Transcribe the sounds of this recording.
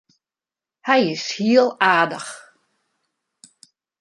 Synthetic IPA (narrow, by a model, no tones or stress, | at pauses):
hɛjɪshiəlˠaːdəx